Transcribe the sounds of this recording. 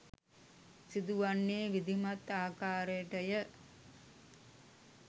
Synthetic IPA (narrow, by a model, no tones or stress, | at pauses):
sid̪uʋanːeːʋid̪ʱimat̪aːkaːɾəʈəjə